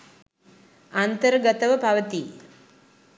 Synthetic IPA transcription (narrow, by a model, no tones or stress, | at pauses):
ant̪əɾɡɐt̪ɐʋəpɐʋɐt̪i